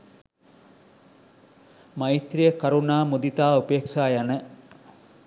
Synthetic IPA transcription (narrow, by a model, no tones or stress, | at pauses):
mait̪ɾijəkɐɾunaːmud̪it̪aːupeːkʃaːjanə